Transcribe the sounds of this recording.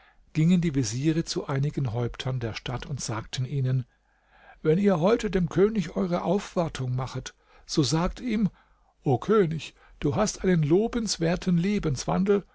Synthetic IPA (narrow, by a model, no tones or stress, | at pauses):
ɡ̥ɪŋəndiːviziːʁət͡suʔaɪnɪɡn̩ɦɔʏptʰɐndeːɐʃtatʊntz̥aːk̚tʰn̩ʔiːnən | vɛniːɐɦɔʏtədeːmkʰøːnɪçʔɔʏʁ̞əʔaʊfv̥aɐtʰʊŋmaχət | z̥oːzaːk̚tiːm | ʔoːkʰøːnɪç | d̥uːɦastʔaɪnənloːbənsv̥eːɐtʰn̩leːbənsv̥a̰ndl̩